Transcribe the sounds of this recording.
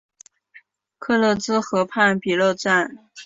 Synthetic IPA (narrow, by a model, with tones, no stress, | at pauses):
kʰɤ˥˧lɤ˥˧t͡sɹ̩˥xɤ˧˥pʰa˥˩npi˨˩lo˥˧ʊʈ͡ʂa˥˩n